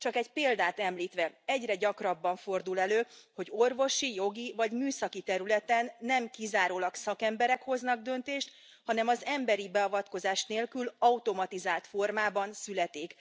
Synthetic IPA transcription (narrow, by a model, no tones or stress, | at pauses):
t͡ʃɒkɛɟpeːld̪aːt̪ɛmliːt̪ʋɛɛɟrɛɟɒkrɒbːɒɱfo̞rd̪ulɛløːho̞ɟorvo̞ʃijo̞ɡivɒɟmyːsɒkit̪ɛɾylɛt̪ɛnːɛmkizaːɾoːlɒksɒkɛmbɛɾɛkho̞znɒɡ̚d̪ønt̪eːʃt̪ | hɒnɛmɒzɛmbɛɾibɛɒvɒt̪ko̞zaːʃneːlkylɒut̪o̞mɒt̪izaːlt̪fo̞rmaːbɒnsylɛt̪iːk